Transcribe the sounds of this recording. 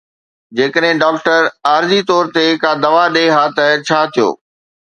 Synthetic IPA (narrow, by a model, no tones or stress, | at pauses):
d͡ʑeːkəɗɦɪ̃ɖaːkʈəɾaːɾzit̪ɔːɾt̪ekãːd̪ɐʋaɗeɦaːt̪ət͡ɕʰaːt̪ʰijo̰ː